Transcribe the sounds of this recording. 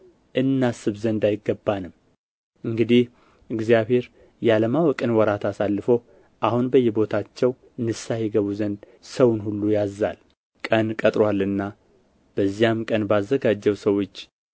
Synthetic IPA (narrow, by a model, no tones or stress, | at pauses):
ʔɨnːasɨβzənd̪ajɪɡːəbːanɨmː | ʔɨŋɡɨd̪ih | ʔɨɡzijaβhe̞ɾ | jɛaləmawɔkʼɨnwɔɾat̪asalːɨfo | ʔahunbəjːɛbo̞t̪ʰat͡ʃːɛw | nɨsajɛɡəβuzənd̪ | səwnhulːujazːal | kʼənkʼət̪ʼɾwalːɨnːa | b̥əzːijamkʼənbazːəɡad͡ʒːɛwsəwo̞t͡ʃː